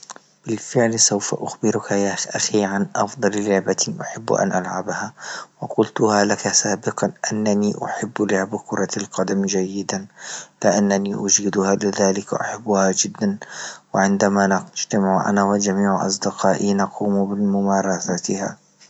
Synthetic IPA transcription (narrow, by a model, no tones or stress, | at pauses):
b̥ɪlfɪʕlsawfa̰ʔʊxbɪɾʊkajaʔaxiːʕanʔɑfd̪ˤɑllʊʕbat̪ʔʊħɪb̰ːʔa̰nʔalʕabhawɪqʊlt̪ʊhalakasaːbɪqɑʔanːaniːʔʊ̰ħɪbːlʊʕbkʊɾˤɑlqɑd̪amd͡ʒajːɪd̪anlɪʔanːaniʔʊd͡ʒiːd̪ʊhaːlɪðaːlɪkʔʊ̰ħabːʊhad͡ʒɪd̪ːanwɪʕɪnd̪amand͡ʒt̪amɪʕʔa̰nawɪd͡ʒamiːʕʔɑ̰s̬ˤd̪ɪqɑːʔinɑqʰuːmbɪmʊmɑːɾˤɑsat̪ɪha̰